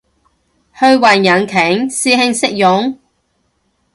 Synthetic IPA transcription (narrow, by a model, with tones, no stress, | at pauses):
hɵ˧ɥwɐ˨˩njɐ˨nkʰɪ˨˥ŋsiː˥hɪ˧ŋsɪ˥k̚jʊ˨˥ŋ